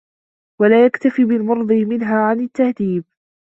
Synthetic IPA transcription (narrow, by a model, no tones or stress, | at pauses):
walaːjakt̪afiːbɪlmʊɾˤd̪ˤɨmɪnɦaːʕanat̪ːahd̪iːb̚